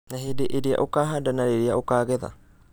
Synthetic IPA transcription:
naɦidɪʔeɾia̰ʔokaːɦadanaɾeɾiaʔokaːɣeða̰

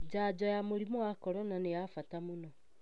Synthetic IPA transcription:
d͡ʒaːd͡ʒɔjamoɾimowakɔɾɔnanejafatamonɔ

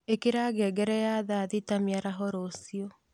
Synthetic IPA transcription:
ekeɾaːɡɛɡɛɾɛjaðaːðitamiaɾaɦɔɾosiɔ

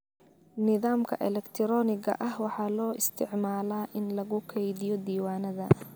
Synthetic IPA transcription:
nɪðaːmkʰɐ̰ʔɛlɛkt̪ʰɾɔːnɪɣɐ̰ʔɐhwɑħɑːlɔːʔɪst̪ʰɪʕmaːlaːʔɪnlɐɣʊkʰɛjðɪjɔd̪iːwaːnɐðɐ̰

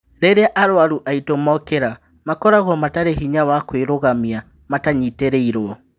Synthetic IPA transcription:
ɾeɾeaʔaɾwaɾuʔaitomaɔkeɾa | makɔɾaɣɔmataɾehiɲawakweɾoɣamia | mataɲiteɾeiɾoɔ

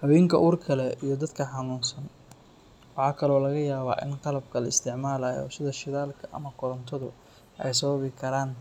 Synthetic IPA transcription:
ħɔwɪŋkʰɐʔuːrkʰɐlɛijɞd̪ɐd̪kʰɐħɑnuːnsɐn | wɑħɑːkʰɐlɔːlɐɣɐjaːβa̰ːʔɪ̰nqɑlɐb̚kʰɐlɐɪst̪ʰɪʕmaːlaːjɔ̰ːsɪðɐʃɪðaːlkʰɐʔɐ̰mɐkʰʊɾɔnt̪ʰɔðʊ | ʔɛ̰js̬ɐβɐβɪkʰɐɾaːn

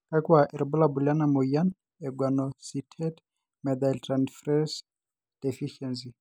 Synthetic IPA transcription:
kʼakwaʔɪɾɪbʊlabʊlɪanamoijan | ɛɡwanɔsitʰɛd | mɛd̪altranfrɛs | d̥efiʃɛns̬i

